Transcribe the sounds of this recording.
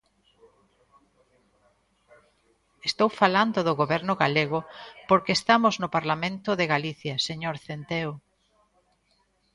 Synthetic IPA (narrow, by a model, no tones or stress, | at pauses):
est̪owfaland̪ʊðʊɣoβɛɾnʊɣaleɣ̞ʊpoɾkeːst̪amʊznʊpaɾlamẽnt̪ʊðeɣaliθjɐseɲoɾθent̪eo